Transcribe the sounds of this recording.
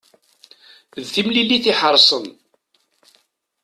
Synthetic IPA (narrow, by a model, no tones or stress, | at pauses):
ðθimlilːiθiħəɾˤsˤən